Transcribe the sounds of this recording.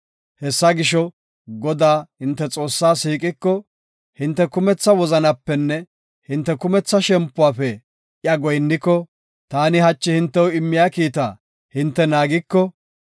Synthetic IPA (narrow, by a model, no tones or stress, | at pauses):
hɛsːɐɡɪʃɔ | ɡɔd̪aːhɪnt̪ːɛt͡sʼo̞ːsːaːsiːkʼɪkːɔ | hɪnt̪ːɛkʊmɛt͡sːɐwɔzɐnɐpːɛnːɛ | hɪnt̪ːɛkʊmɛt͡sːɐʃɛmpːʊwaːfɛ | ʔjɐɡɔjnːɪkːɔ | t̪aːnɪhɐt͡ʃːɪhɪnt̪ːɛwʊɪmːɪjaːkiːt̪̬a̰ː | hɪnt̪ːɛnaːɡɪkːɔ